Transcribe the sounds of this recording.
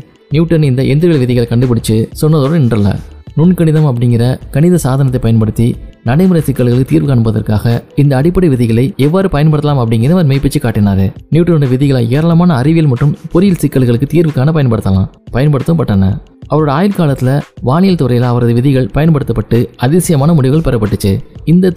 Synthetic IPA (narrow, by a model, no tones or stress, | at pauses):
njuːʈːɐnɪnd̪ɐʔɛnd̪ɾɯɣɐɭʋɪðɪɣɐɭkɐɳɖɯpɐɽɯt͡ʃːɯsɔnːɐðoːɽɐɪɳdrɐlːɐ̰nʊɳkɐɳɪðɐmɐp̬ːɐɽɪŋɡɪrɐkɐɳɪðɐsaːðɐnɐt̪ːɐɪpːɐjɐnpɐɽɯt̪ːinɐɽɐɪmɯɾɐsɪkːɐɭɣɐɭɯkːɯt̪iːɾʋɯkaːɳɯmpːɐðɐ̰rkaːɣɐɪnd̪ɐːɽɪpːɐɽiʋɪðɪɣɐɭɐɪɛʋːaːɾɯpɐjɐnp̬ɐɽɯt̪ɐlaːmɐpːɐɽɪŋɡɪɾɐʋɐɾmeːɪpːɪt͡ʃːɯkːaːʈːɪnaːɾɯniːʈːɯnoːɖɐʋɪðɪɣɐɭaːeːɾɐlɐmaːnɐːɾɪʋɪjɐlmɐʈːrɯmpʊɾɪjɪlsɪkːɐɭɣɐɭɯkːɯt̪iːɾʋɯkːaːnɐpɐjɐnpɐɽɯt̪ːɐlã̰ːpɐjɐnpɐɽɯt̪ːɐmpɐʈːɐːnɐ̰ | ʔɐʋɐɾoːɽɐaːjɪlkaːlɐt̪ːɪlɐʋaːɳɪjɐlt̪ɔɾɐjɪlaɐʋɐɾɐðɯʋɪðɪɣɐɭpɐjɐnpɐɽɯt̪ːɐpːɐʈːɯɐðɪʋsɪjɐmaːnɐmʊɽɪʋɯɣɐɭpɛɾɐpːɐʈːɯt͡ʃːɯɪnd̪ɐ